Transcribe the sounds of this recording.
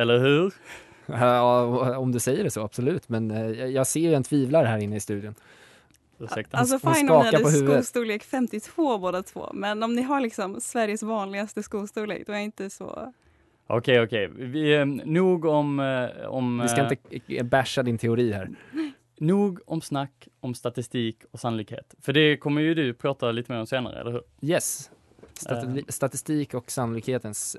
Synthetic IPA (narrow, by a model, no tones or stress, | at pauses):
ɛlːəɾhʉːɾ | ɑːɔmd̪ɵsɛjːəɖɛsɔab̥sɔlʉ̟ːt̪mɛnjjɑːɡseːjjɛnt̪ʰviːvlaɾɦæːɾɪnːəɪst̪ʉ̟ːd̪jʊn | sɛt̪alsɔfaɪnɑːaɾpɔɦʉsːvəuːst̪uːleːkfɛmt̪ɪt̪ʰv̥oːboːd̪at̪ʰvo̰ːmɛnɔmnɪɦaɭɪksɔmsvæɾjəsvɑːnlɪɡast̪əskuːɡst̪uːlḛːk̚d̪ɔæɾɪnt̪əsɔ̰ | ʔɔ̰kʰɛɔkʰɛɪvɪnuːɡɔmɔ̰mɪskaɪnəbæʂad̪ɪnt̪ʰɛʊɾiːhæ̰ːɾ | nuːɡɔmsnakː | ɔmst̪at̪ɪst̪iːkʰɔksanʊliːkhḛːt̪fœɖɛkʰɔmːəjɵd̪ɵpʰɾɑːt̪aliːt̪əmeːɾɔmseːnaɾə̰ɛ̰lːəɾhʉːɾjɛs | st̪at̪ɪst̪iːkɔksanʊlɪkheːt̪əns